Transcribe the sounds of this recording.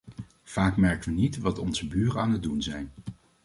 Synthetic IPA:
v̥aːkmɛɹkənʋənitʋɑtɔnzəbyːrənaːnəd̚dunzɛjn

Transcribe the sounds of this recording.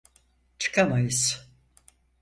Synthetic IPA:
t͡ʃʰɨ̥kʰamajɯz

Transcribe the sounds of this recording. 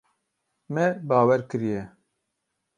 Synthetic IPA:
mɛbaːwɛɾkɨɾijɛ

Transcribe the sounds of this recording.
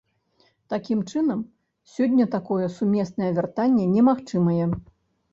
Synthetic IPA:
t̪akʲimt͡ʂɨn̪ɐm | sʲɔdʲːɐt̪akɔjɛsumʲɛsnɐjɛvʲɛrt̪anʲːɛnʲɛmaxt͡ʂɨmɐjɛ

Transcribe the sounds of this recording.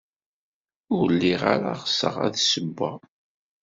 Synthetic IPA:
ʊɾlːiʁa̰ɾaʁəsəʁæ̰ðsəbːa

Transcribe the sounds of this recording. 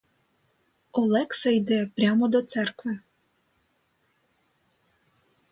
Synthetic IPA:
ɔlˠɛksɛjd̪ɛpɾʲjamɔd̪ɔt̪sɛrkvɛ

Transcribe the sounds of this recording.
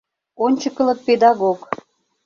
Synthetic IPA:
onʲt͡ɕəkə̆lə̆t̪̚ped̪ɑɣok

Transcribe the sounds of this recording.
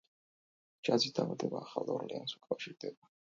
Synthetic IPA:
d͡ʒazid̪ʰavad̪ɛbaːχalˠɔɾliansu̥kʼafʃiɾd̪ɛba

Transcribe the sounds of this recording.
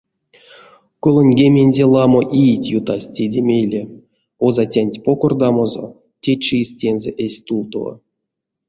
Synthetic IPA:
kolˠonʲɡʲemʲenʲdʲelˠɑmoʔijitʲjut̪asʲtʲedʲemʲejlʲe | ozatʲanʲtʲpokord̪ɑmozo̰ | tʲet͡ʃisʲtʲenzʲḛʔesʲt̪ulˠt̪ova̰

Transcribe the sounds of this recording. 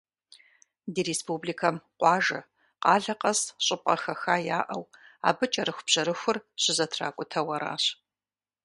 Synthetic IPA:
diːɾeːspubliːkʰɐmqʷɑːʒɐ | qɑːɮɐqɐsɕʼɪp̚ʼɐxɐxaːjaːʔɐwa̰ːbɨt͡ʃʼɐɾɨxʷbʑ̥ɐɾɨxʷʊrɕʰɪzɐtʰra̰ːkʷʼʊtʰɐwɐɾa̰ːɕ

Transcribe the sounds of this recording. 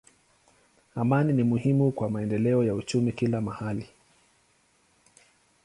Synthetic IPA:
amaninimuhimukwamaɛndɛlɛɔjaut͡ʃumikilamahali

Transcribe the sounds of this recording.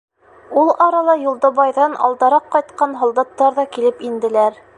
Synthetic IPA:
ulˠɑɾɑlˠɑjulˠd̪ɑβɑjðɑnɑ̰lˠd̪ɑɾɑqːɑjt̪qɑnɦŏlˠd̪ɑt̪ːɑɾðɑkilɘpind̪ɘ̆læɾ

